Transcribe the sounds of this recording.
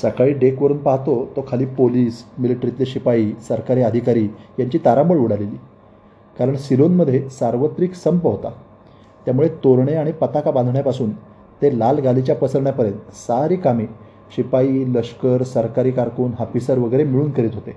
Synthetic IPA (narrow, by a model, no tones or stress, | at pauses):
səkaɭiːɖekʋəɾuːnpaɦt̪ot̪okʰaliːpoliːsmiliʈɾit̪liɕipaiːsəɾkaɾiːəd̪ʱikaɾiːjaɲt͡ɕiːt̪aɾãmbəɭuɽ̤aleliː | kaɾəɳsilonməd̪ʱːjesaɾʋət̪ɾiksəmpəɦot̪a̰ | t̪jamuɭet̪oɾɳeaɽ̃ipət̪akaband̪ʱɳjapasuːn | t̪elalɡʱalit͡ɕjapəsəɾɳjapəɾjənt̪saɾiːkami | ɕipaiːləʂkəɾsəɾkaɾiːkaɾkuːnɦapisəɾʋəɡəeɾemiɭuːnkəɾiːt̪ɦot̪e